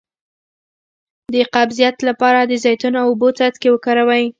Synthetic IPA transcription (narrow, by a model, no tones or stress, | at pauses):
d̪əqabzijat̪lapɑɾad̪əzɑjt̪unoawobot͡sat̪kewəkaɾawaj